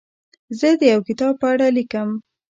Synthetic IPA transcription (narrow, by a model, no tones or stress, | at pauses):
zəd̪əjawkɪt̪ɑb̚pəaɽalikəm